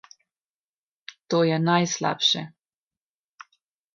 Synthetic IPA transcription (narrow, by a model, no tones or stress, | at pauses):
t̪oːjɛnajsla̰ːpʃɛ